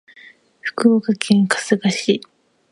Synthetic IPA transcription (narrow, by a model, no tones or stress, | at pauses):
ɸɯ̥kɯokakʰẽŋkḁsɨɡaɕi